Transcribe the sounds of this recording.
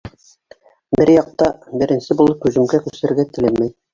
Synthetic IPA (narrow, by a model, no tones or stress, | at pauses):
bɘɾjɑq̚t̪ɑbɘ̆ɾɘ̆nsɘbulˠɤp̚kʉzɘ̆mɡækʉsɘ̆ɾɘ̆ɾɡæt̪ɘ̆lɘmæj